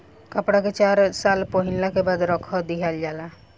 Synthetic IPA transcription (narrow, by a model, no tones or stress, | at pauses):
kəpɽaket͡ʃaɾsalpoɦinlakebad̪ɾɔkʰɔd̪iɦald͡ʒala